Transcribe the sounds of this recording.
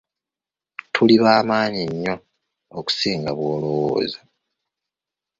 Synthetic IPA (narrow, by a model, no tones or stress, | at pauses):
tʰuliβaːmaːɲiɲːo̞ː | ku̥siːŋɡaβwo̞ːlowwo̰ːza